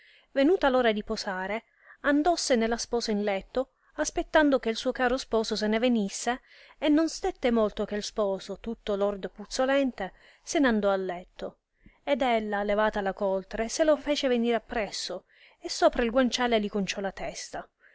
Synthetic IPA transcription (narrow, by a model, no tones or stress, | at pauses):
venuːt̪aloːɾad̪iposaːɾe | and̪ɔsːenelːaspɔːsainlɛt̪ːo | aspet̪ːand̪ok̟eilsuːokaːɾospɔːsos̬enevenisːeː | nːonst̪et̪ːemolt̪ok̟elspɔːsot̪ut̪ːolord̪oput̪sːolɛnt̪e | seneand̪ɔalːɛt̪ːo | ed̪ɛlːalevaːt̪alakolt̪ɾeselofɛːt͡ʃeveniːɾapːɾɛsːo | esːoːpɾailɡwant͡ʃaːlelikont͡ʃɔlat̪ɛst̪a